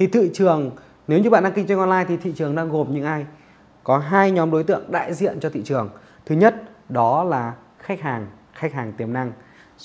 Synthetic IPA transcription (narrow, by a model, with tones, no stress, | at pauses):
t̪ʰi˨˩t̪ʰḭ˧˨t͡ɕɨ˨˩əŋ | ne˨˦wɲɨ˧ɓa̰ː˧˨nɗa˧ki˧ŋt͡ɕa˧ŋʔɔ˧nlaː˧jt̪ʰi˨˩t̪ʰḭ˧˨t͡ɕɨ˨˩əŋɗaː˧ŋɣo˨˩mɲɨ̰˧˥ŋʔaː˧j | kɔ˨˦ɦaː˧jɲɔ˨˦mɗo˨˦jt̪ɨ̰˧˨əŋɗa̰ː˧˨jzḭ˧˨ənt͡ɕɔ˧t̪ʰḭ˧˨t͡ɕɨ˨˩əŋ | t̪ʰɨ˨˦ɲə˦˥t̚ɗɔ˨˦laː˨˩ | xa˦˥k̟̚haː˨˩ŋ | xa˦˥k̚haː˨˩ŋt̪i˨˩əmna˧ŋ